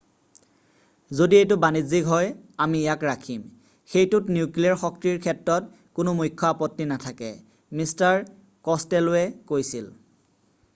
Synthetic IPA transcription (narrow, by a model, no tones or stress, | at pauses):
zodietʊbanizikɦɔjamiːjakɹakʰim | xejtʊtniukliaɹxɔk̚tiɹkʰɛtɹɔt | kʊnʊmujkʰːɔapɔtːinatʰakɛ̰ | mistaɹ | kɔstɛlɛkojsil